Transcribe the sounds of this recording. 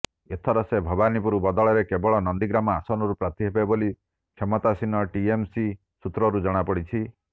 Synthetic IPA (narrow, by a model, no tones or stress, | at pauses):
et̪ʰɔɾɔsebʱɔbanipuɾubɔd̪ɔɭɔɾekebɔɭɔnɔnd̪iɡɾamɔasɔnɔɾupɾat̪iɦebeboli | kʰemɔt̪asinɔʈiemsi | sut̪ɾɔɾud͡ʒɔɽ̃apɔɽit͡ʃʰi